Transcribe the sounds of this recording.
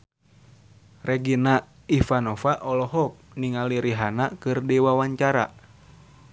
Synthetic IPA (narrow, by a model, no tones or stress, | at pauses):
reɡina | ifanɔfaʔɔlɔɦɔk̚niŋaliɾiɦanakɨrdɛwawaɲt͡ʃaɾa̰